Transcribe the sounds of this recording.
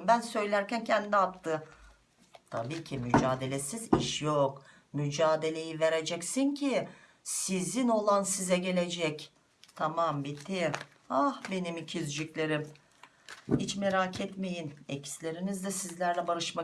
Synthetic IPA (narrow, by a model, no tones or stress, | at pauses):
bænsø̞jlʲæɾcæncʰænd̪d̪iap̚t̪ʰɯ | t̪ʰa̰biːcʰimyd͡ʒaːd̪e̞lʲesiziʃjok | myd͡ʒaːd̪e̞lʲe̞jive̞ɾed͡ʒɛcsincʰi | sizino̞lˠansizɛɟe̞lʲe̞d͡ʒɛc | t̪ʰamambit̪ʰi | ahbe̞nimicʰizd͡ʒiclʲe̞ɾim | hit͡ʃmeɾacʰɛt̪me̞jinḛcʰi̥slʲe̞ɾinizd̪ɛsizlʲæɾlʲɛbaɾɯʃma